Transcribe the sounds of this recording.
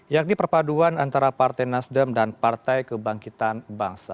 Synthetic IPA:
jak̚nipərpaduanant̪aɾapart̪ajnasdəmdanpart̪ajkəbaŋkit̪anbaŋsa̰

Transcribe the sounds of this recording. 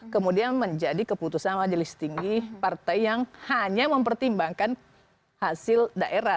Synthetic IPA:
kəmudianməɲd͡ʒadikəput̪usanmad͡ʒəlist̪iŋɡipart̪ajjaŋhaɲaməmpərt̪imbaŋkan | hasɪldaʔeɾa

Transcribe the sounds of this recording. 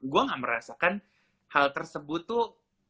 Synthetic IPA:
ɡuaŋaʔməɾasakan | halt̪ərsəbʊt̪ːu

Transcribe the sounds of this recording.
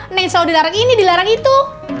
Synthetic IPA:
nɛŋsaodilaɾaŋinidilaɾaŋit̪u

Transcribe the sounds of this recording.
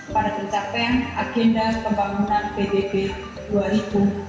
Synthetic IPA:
padapit͡ʃapɛŋʔaɡ̥ɛndapəmbaŋunanpedebe | d̥uaɾib̥u

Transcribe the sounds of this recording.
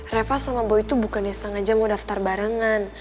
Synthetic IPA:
refasamabɔit̪ubukanjasaŋad͡ʒamɔdaft̪arbaɾəŋan

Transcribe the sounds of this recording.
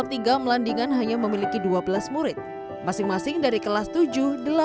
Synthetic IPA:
ap̚t̪iɡaməlandiŋanɦaɲaməmilikiduabəlasmuɾɪt̪̚ | masɪŋmasɪŋdaɾikəlast̪ud͡ʒʊhdəla

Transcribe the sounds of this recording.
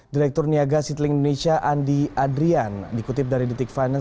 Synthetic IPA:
diɾɛk̚t̪ɔrniaɡasit̪lɪŋindonesiaʔandiadɾiandikut̪ɪp̚daɾidit̪ɪkfajna

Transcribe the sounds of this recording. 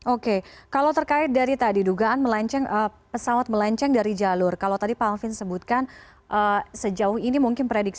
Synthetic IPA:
ʔokekalawt̪ərkaɪt̪̚daɾit̪adiduɡaʔanməlaɲt͡ʃɛŋʔə | pəsawat̪̚məlaɲt͡ʃɛŋdaɾid͡ʒalʊrkalawt̪adipafɪnsəbut̪̚kan | ʔəsəd͡ʒaʊhinimuŋkɪnpɾedik̚s

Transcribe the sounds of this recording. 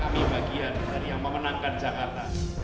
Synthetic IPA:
kamibʱaɡiandaɾijaŋməmənaŋkand͡ʒakart̪a

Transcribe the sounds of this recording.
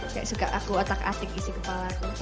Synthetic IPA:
kajʔsuka̰ʔakuat̪aka̰t̪ɪk̚isikəpalaku

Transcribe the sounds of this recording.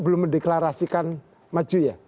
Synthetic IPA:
bəlʊmːədeklaɾasikan | mad͡ʒuja

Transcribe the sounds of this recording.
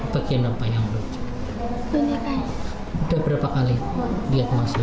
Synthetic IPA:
b̥aɡianapajaŋlut͡ʃu̥ | bəɲaka | udabəɾapakalidiat̪əmasu

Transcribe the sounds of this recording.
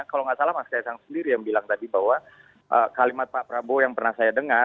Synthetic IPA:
akaloŋɡaʔsalahmaskajasaŋsəndiɾijaŋbilaŋt̪adibahwa | ʔəkalimat̪̚paʔpɾabojaŋpərnahsajadəŋa

